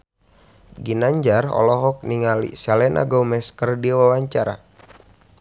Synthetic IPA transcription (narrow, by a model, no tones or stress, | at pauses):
ɡinaɲd͡ʒarɔ̰lɔɦɔk̚niŋalḭsalɛnʔa̰ɡɔmɛskərdiwawaɲt͡ʃaɾa̰